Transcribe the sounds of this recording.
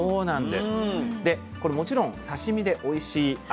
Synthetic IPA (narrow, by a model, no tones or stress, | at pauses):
oːnãnd̪e̞sɨ̥d̪e̞ | ko̞ɾe̞mo̞t͡ɕiɾõ̞ŋ̃saɕimʲid̪e̞ʔo̞iɕiː